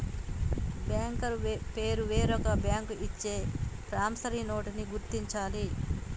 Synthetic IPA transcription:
bjaːŋkɐɾpe̞ːɾuʋeːɾɔkɐbjaːŋkuʔit͡ʃːe̞ːpɾaːmsɐɾinoːʈiniɡuɾt̪iɲt͡ʃaːli

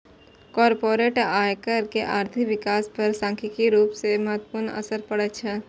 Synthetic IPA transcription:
kɔːɾpoːɾeːʈaːjkəɾkeʔaːɾt̪ʰiʋɪkaːspɐɾsãːŋkʰɪkiɾuːpseməɦət̪wəpuɾnə̰səɾpəɽətt͡ʃʰɛ

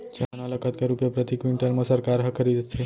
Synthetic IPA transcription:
d͡ʒeɦanaləkʰət̪kaɾupjəpɾət̪ikʋiɳʈəɾməsəɾkaɾɦəkʰəɾid̪t̪ʰe

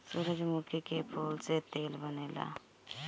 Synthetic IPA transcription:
suɾəd͡ʒmukʰikepʰulset̪eːlbəneːla̰

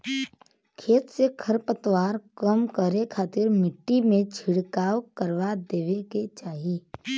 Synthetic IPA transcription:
kʰeːt̪sekʰəɾpət̪ʋaːɾkəmkəɾekʰaːt̪ɪɾmɪʈːimẽd͡ʒʱʰɪɽkaːwkəɾʋad̪eːʋeket͡ʃaːɦi

